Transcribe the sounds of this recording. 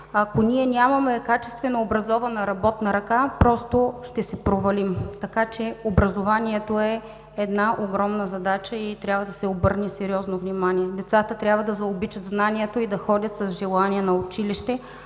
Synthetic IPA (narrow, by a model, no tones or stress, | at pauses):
ɐkonʲiɛnʲamɐmɛkat͡ʃɛst̪vɛnoːbɾɐzɔvɐnɐɾɐbɔt̪nɐɾɐkapɾɔst̪oʃt̪ɛsɛpɾovɐlimt̪ɐkat͡ʃɛobɾɐzovaniɛt̪oɛ | ɛd̪naʔoɡɾɔmnəzɐd̪at͡ʃəit̪ɾʲabvɐd̪ɐsɛobɤɾnɛsɛɾiɔznovnʲimanʲiɛd̪ɛt̪sat̪ət̪ɾʲjabvɐd̪ɐzɐobit͡ʃɐt̪znaniɛt̪oid̪ɐxɔdʲɐt̪sɐzʒɛlˠaniɛnɐot͡ʃiliʃt̪ɛ